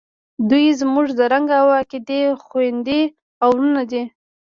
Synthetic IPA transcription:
d̪ujzmuʐd̪əɾaŋɡawaked̪exwɪnd̪e | awɾunad̪i

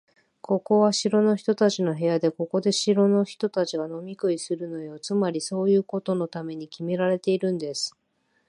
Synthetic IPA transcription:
ko̞ko̞βaɕiɾo̞no̞çi̥t̪o̞t̪at͡ɕino̞ɦe̞jad̪e̞ko̞ko̞d̪e̞ɕiɾo̞no̞çi̥t̪o̞t̪at͡ɕiɡano̞mʲikɯ̟isɨɾɯ̟no̞jo̞t͡sɨmaɾʲiso̞ːjɯ̟ːko̞t̪o̞no̞t̪ame̞ɲ̟ikʲime̞ɾaɾe̞t̪e̞iɾɯ̟̃nd̪e̞sɨ̥

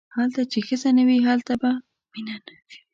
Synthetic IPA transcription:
halt̪at͡ʃexəzanawiɦalt̪aba | minanai̥

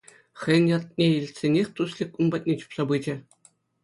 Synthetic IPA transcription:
xʲɘ̆j̆nʲjɑt̪̚nʲeilʲtʲsʲenʲexʲt̪uslʲĭkunbɑt̪̚ʲnʲet͡ɕu̥psɑbɯd͡ʑɘ̆

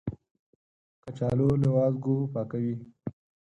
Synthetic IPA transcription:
kat͡ʃɑːlolewɑːzɡopɑːkawi

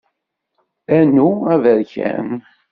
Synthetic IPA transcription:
ænuævəɾçæ̰n

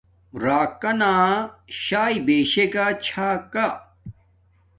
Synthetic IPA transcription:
ɾaːkɐnaːɕaːjbeːɕekat͡ɕʰaːka

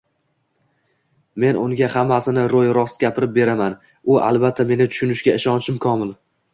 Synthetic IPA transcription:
me̞nʊŋɡʲahamːasɪnɪɾojɾɒst̪ɡʲapʰɪɾɪp̚be̞ɾaman | ʊʔa̰lˠbat̪ʰːame̞nɪt̪ʰʊ̥ʃʊnɪʃɡʲaɪʃɒnt͡ʃʰɪmkʰɒmɪl

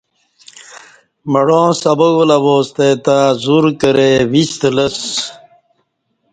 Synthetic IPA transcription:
mɐɽõːsɐbɐɡulɐboːst̪et̪azuɾkəɾewist̪ləs

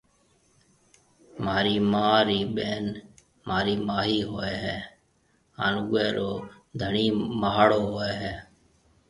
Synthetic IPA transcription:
maːɾiːmaːɾiːɓeːn | maːɾiːmaːɦiːɦoːeːɦɛː | a̰ːnʊɡeːɾoːd̪ʱəɳiːməɦaːɽoːɦoːeːɦɛː

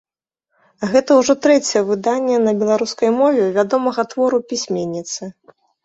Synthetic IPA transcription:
ɣɛt̪ɐwʐɔt̪ɾɛt͡sʲɛjɐvɨd̪anʲːɛnɐbʲɛlˠaɾuskɐjmɔvʲɛvʲad̪ɔmɐɣɐt̪vɔɾupʲisʲmʲenʲːit̪sɨ

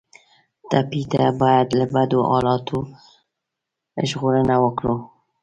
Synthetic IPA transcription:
t̪apit̪abɑːjad̪ləbad̪uʔɑːlɑt̪ʰu | ʒɣuɾənawəkɾu

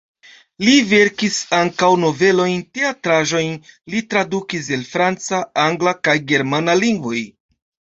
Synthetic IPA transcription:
live̞ɾkisaŋkawno̞ve̞lo̞jnte̞atɾaʒo̞jnlitɾadukis̬e̞lfɾant͡saaŋɡlakajɡe̞ɾmanaliŋɡvo̞j

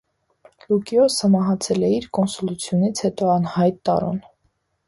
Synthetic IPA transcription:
lukiɔsəmɑɦɑt͡sʰɛlɛiɾkɔnsɔlut͡sʰjunit͡sʰhɛt̪ɔɑnhɑjt̪ːɑ̰ɾṵn

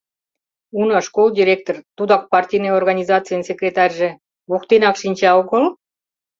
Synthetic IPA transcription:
unɑʃkolˠdʲiɾʲek̚t̪ort̪ud̪ɑk̚pɑrtʲijneorɣɑnʲizɑt͡sɨjənsʲekrʲet̪ɑrʲʒĕ | βukt̪enɑkʃinʲt͡ɕɑoɣəl

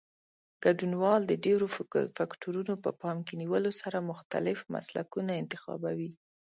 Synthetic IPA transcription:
ɡ̥aɖunwɑld̪əɖeɾofakʈoɾunopəpɑmkeniwəlosaɾamʊxt̪a̰lɪfma̰sla̰kunaɪnt̪ɪxɑ̰bawi

